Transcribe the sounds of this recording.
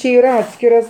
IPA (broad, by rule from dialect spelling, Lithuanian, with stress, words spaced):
t͡ʃʲɪ ˈiːr ˈɑːtʲsʲkʲɪrɐs